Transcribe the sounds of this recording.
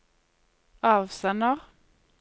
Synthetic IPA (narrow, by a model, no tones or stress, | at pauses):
ɑːʋsɛnəʁ